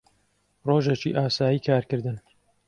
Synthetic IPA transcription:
roːʒet͡ʃḭːʔaːsaːjiːkʰaːɾkɨɾd̪ɨn

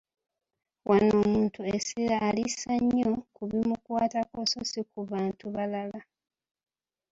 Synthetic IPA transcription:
wʔano̞ːmuːntue̞siɾaʔːlisaɲːo̞kuβimukwaːtako̞sosikuβaːntuβalala

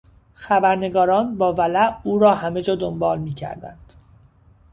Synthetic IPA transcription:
xæbæɾne̞ɡɒːɾɒːnbɒːvælæʔuːɾɒːhæmed͡ʒɒːd̪ombɒːlmiːcʰæ̰ɾd̪æ̰nd̪̥

